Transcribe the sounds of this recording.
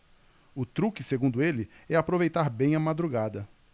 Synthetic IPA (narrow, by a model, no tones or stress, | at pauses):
ʊt̪ɾukɪseɡũnd̪ʊelɪɛapɾovejt̪aɾbẽj̃ɐmad̪ɾuɡad̪ɐ